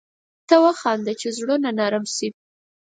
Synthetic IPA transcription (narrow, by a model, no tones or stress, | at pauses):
t̪awaxɑnd̪at͡ʃezɽonanɑɾamsi